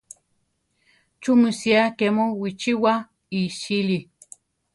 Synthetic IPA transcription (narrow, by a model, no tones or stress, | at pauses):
t͡ʃumɨsiakemowit͡ʃiwa | iʃili